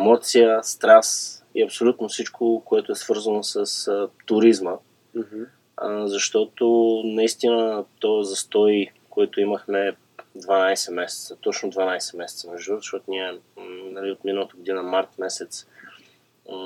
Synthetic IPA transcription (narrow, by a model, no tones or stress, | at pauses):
ɛmɔt̪sijəst̪ɾas | iɐpsolʲut̪nofsit͡ʃkʰokoɛt̪oɛsvɤɾzənosəst̪ʊɾizmə | zɐʃt̪ɔt̪onɐist̪inət̪ɔzɐst̪ɔj | koɛt̪ʊiməxmɛ | d̪vanajsɛmɛsɛ̥t̪sət̪ɔt͡ʃnʊd̪vanajsɛmɛsɛt̪səmɛʒd̪uzəʃt̪ɔt̪ʊniɛnɐliot̪minəlˠət̪əɡod̪inəmaɾt̪mɛsɛt̪s